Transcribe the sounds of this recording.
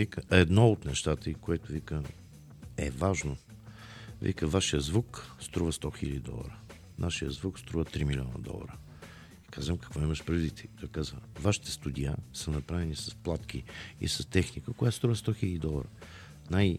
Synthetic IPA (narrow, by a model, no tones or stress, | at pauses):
vikəɛd̪nɔot̪nɛʃt̪at̪əikoɛt̪ʊvikə | ɛ̰vaʒno | vḭkəvaʃijəzvukst̪ɾuvəst̪ɔxilʲɛd̪ʲid̪ɔ̰lˠə̰ɾə | naʃijə̰zvukst̪ɾuvət̪ɾimilʲɔnə̰d̪ɔ̰lˠə̰ɾə | ikazvəmkɐ̥kvɔiməʃpɾɐd̪it̪ɛd̪ɐkazvə̰vaʃi̥t̪ɛ̥st̪ud̪ʲia̰sənɐpɾavɛnisɐsplˠat̪k̟ʰʲiḭsɐst̪ɛxnikəkʊjat̪st̪ɾuvəst̪ɔxilɛd̪ʲid̪ɔlˠəɾə̰ | naj